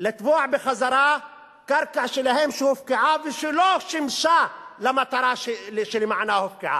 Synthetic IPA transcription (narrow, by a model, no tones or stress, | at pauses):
lɪt̪buːʕbɪxazɑɾˤɑː | kɑɾˤkaʕʃɪlahemʃhʊfkɪʕavɪʃloʃɪmʃalamːat̪ɑɾˤɑʃʃɪlɪmaʕnahʊfkɪʕa̰